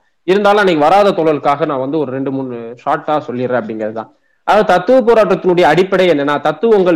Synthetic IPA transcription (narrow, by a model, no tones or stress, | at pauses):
ɪɾɯnd̪aːlɐ̃ɪnɪkːɯʋɐɾaːðɐt̪ɔɭɐlɯkːaːɣɐnãːʋɐnd̪ɯɔɾɯɾɛɳɖɯmʊnːɯʂaːʈːaːsɔlːɪɪɾẽːɐpːɐɽɪŋɡɐɾɐðɯt̪ãː | ʔɐðɐt̪ɐt̪ːɯʋɯp̬oːɾaːʈːɐt̪ːɯnʊɽɐjɐːɽɪpːɐɽɐɪɛnːɐnːaːt̪ɐt̪ːɯɔŋɡɐɭ